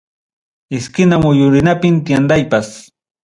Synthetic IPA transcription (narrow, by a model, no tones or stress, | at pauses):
ɪskɪnamʊjʊɾɪnapɪnt̪jand̪ajpas